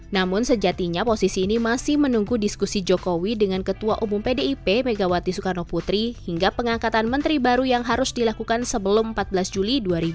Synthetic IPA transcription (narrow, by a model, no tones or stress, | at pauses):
namʊnsəd͡ʒat̪iɲaposisiːnimasɪhmənuŋɡudiskusid͡ʒokowidəŋankət̪uaʔumʊmpedeipemeɡawat̪isukarnɔput̪ɾihiŋɡapəŋakat̪anmənt̪ɾibaɾujaŋɦaɾʊsdilakukansəbəlʊmm̩pat̪̚bəlasd͡ʒuliduaɾib